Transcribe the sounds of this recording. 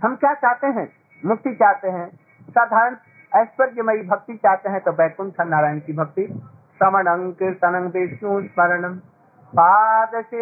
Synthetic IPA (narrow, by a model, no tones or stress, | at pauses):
hɐmkjaːt͡ʃaːɦt̪eɦɛ̃ | mʊk̚t̪it͡ʃaːɦt̪eɦɛ̃ | saːd̪ʱaːɾəɳ | ɛːspɐɾd͡ʒɐmɐibʱɐk̚t̪it͡ʃaːɦt̪eɦɛ̃t̪obɛːkunt̪ʰanaːɾaːjnkibʱɐk̚t̪i | sɐməɽɐ̃ŋkɪɾt̪ɐnɐ̃ŋɡbeːʃjũːsmɐɾɐnɐm | paːt̪əse